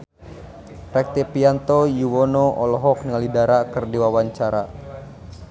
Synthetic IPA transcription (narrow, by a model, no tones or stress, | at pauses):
rɛk̚t̪ɛpiant̪ɔjuwɔnɔʔɔlɔɦɔk̚niŋalidaɾakɨrdiwawaɲt͡ʃaɾa